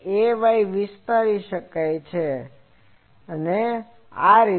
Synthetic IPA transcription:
eʋajʋɪst̪aɾiʃəkajt͡ʃʰe | əne | aɾi

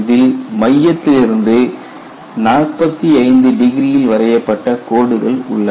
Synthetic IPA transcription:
ðɪlmɐjːɐt̪ːɪlɪɾɯnd̪ɯ | naːɭpɐt̪ːiɐɪnd̪ɯɖɪɣɪɾijɪlʋɐɾɐjɐpːɐʈːɐkoːɽɯɣɐɭʊ̰ɭːɐ

